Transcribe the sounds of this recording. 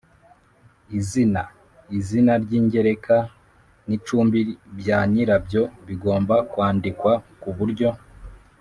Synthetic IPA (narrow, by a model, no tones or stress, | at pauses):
izina | izinaɾɟiːɲɟe̞ɾe̞ka | nit͡ʃuːmbibjaːɲiɾabjo̞βiɡo̞ːmbakwaːndikwakuβuɾɟo̞